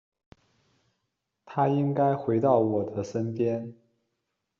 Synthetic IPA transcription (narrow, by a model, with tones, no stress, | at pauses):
t̪ʰa˥i˥ŋka˥ɪxwe˧˥ɪt̪ɑ˥˩ʊwɔ˨˩d̪ə˦ʂə˥npjɛ˥n